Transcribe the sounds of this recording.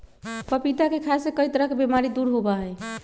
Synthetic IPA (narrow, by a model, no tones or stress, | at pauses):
pəpit̪akekʰasekəjt̪ɾəkebemaɾid̪uɾɦobaɦəj